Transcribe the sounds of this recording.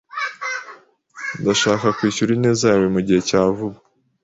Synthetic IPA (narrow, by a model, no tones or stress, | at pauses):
ndaʃaːkakwiːʃuɾine̞ːzawemuɟihe̞caːvuba